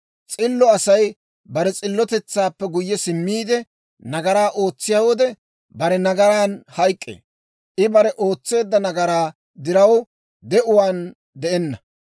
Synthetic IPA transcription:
t͡sʼɪlːɔɐsɐj | bɐɾɛt͡sʼɪlːɔt̪ɛt͡sːaːpːɛɡʊjːɛsɪmːiːd̪ɛ | nɐɡɐɾaːʔo̞ːt͡sːɪjawɔd̪ɛ | bɐɾɛnɐɡɐɾaːnhɐjkʼːḛː | ʔɪbɐɾɛʔo̞ːt͡sːe̞ːd̪ːɐnɐɡɐɾaː | d̪ɪɾɐw | d̪ɛʔʊwaːn | d̪ɛʔɛnːɐ

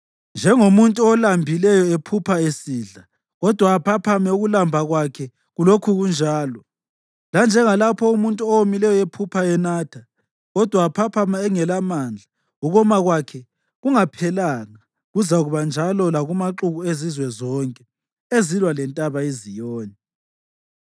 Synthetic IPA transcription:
nd͡ʒʱɛŋomuntʼuɔlambʱilɛjɔepʰupʰaesiːɮa | ɣɔd̥ʱwaːpʰapʰamɛuɣulambʱaɣwakʰɛ | ɣulokʰuɣund͡ʒʱaːlɔ | land͡ʒʱɛŋalapʰɔumuntʼuɔwomilɛjɔepʰupʰaɛnaːtʰa | ɣɔd̥ʱwaːpʰapʰamaɛŋɛlamand͡ɮʱa | uɣɔmaɣwakʰɛ | ɣuŋapʰɛlaŋa | ɣuzaɣuβand͡ʒʱalɔlaɣumaǁuɣuezizwɛzɔŋkʼɛ | ezilwalɛntʼaβaizijɔːni

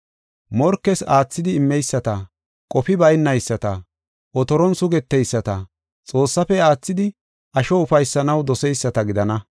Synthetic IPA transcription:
mɔɾkːɛsaːt͡sːɪd̪ɪːmːɛjsːɐt̪ɐ | kʼɔfɪbɐjnːɐjsːɐt̪ɐ | ʔɔt̪ɔɾɔnsʊɡɛt̪ːɛjsːɐt̪ɐ | t͡sʼo̞ːsːɐfɛaːt͡sːɪd̪ɪ | ʔɐʃɔʊfɐjsːɐnɐwd̪ɔsɛjsːɐt̪ɐɡɪd̪ɐnɐ

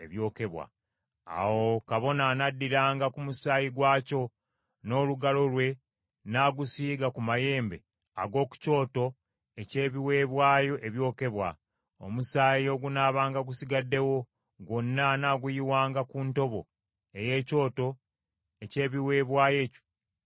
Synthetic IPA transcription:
eβjo̞ːke̞βwa̰ | a̰wo̞kaβo̞nanadːiɾaːŋɡakumusaːjiɡwaːco̞ | no̞ːluɡalo̞lwe̞ | naːɡusiːɡakumaje̞ːmbe̞ | a̰ɡo̞ːku̥co̞ːto̞ | ece̞ːβiwe̞ːβwaːjo̞ʔe̞βjo̞ːke̞βwa̰ | o̰musaːjio̞ɡunaːβaːŋɡaɡusiɡadːe̞wo̞ | ɡo̞nːanaɡujiwaːŋɡakunto̞βo̞̰ | e̞je̞ːco̞ːto̞ | ece̞ːβiwe̞ːβwaːje̞ːco̥

